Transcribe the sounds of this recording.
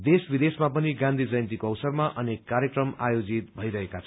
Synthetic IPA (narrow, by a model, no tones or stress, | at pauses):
d̪esbid̪esmapʌniɡãnd̪ʱid͡zʌjnt̪ikoʌwsʌrmaʔʌnekːaɾjekrʌmajod͡zit̪̚bʱʌjɾʌɦekat͡sʰʌ